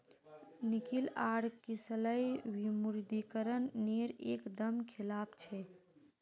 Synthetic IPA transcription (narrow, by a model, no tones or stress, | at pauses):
nikilaɽkisələjwimuɾd̪ikəɾənːeɾekd̪əmkʰilapt͡ʃʰɛ